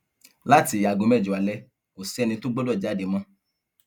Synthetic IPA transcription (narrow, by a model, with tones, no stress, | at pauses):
la˦ti˧˦a˨ɡo˨mɛ˦˨d͡ʒu˨a˨lɛ˧˦ | ko˨sɛ˦nĩ˧˦tu˦ɡ͡bo˦dɔ˦˨d͡ʒa˨˦˨de˨˦mã˧˦